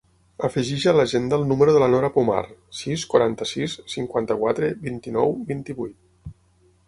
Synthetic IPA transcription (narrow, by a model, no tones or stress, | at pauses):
əfəʒiʒələʒend̪əːlˠnuməɾuðələnɔɾəpuma̰rsiskwaɾant̪əsissːiŋkwant̪əkwat̪ɾəbint̪inɔwbint̪iβujt̪